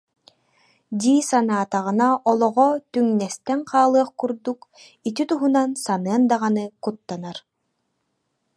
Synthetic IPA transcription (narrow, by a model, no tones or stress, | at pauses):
d̪ʲiːsanaːt̪aʁɯnaʔɔlˠɔʁɔt̪yŋnɛst̪ɛŋqaːlˠɯɐχkuɾd̪uk | it̪̬it̪uɦunansameɐnd̪aʁanɯkut̪ːanaɾ